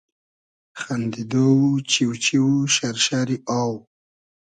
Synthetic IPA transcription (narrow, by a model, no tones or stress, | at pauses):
xand̪id̪owut͡ʃiwt͡ʃiwuʃaɾʃaɾiaw